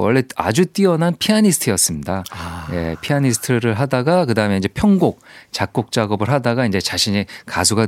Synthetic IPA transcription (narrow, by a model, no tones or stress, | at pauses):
wʌ̰ɭːe̞a̰d͡ʑut͈iʌnanpʰiaɲisʰɯ̥tʰɯjʌs͈ɯmɲidaje̞̰pʰiaɲisʰtʰɯɾɯɭɦadaɡakɯdaɯmeind͡ʑe̞pʰjʌŋɡok̚t͡ɕak̚k͈ok̚t͡ɕ͈aɡʌbɯɭɦadaɡaind͡ʑe̞t͡ɕaɕʰiɲikasʰuɡa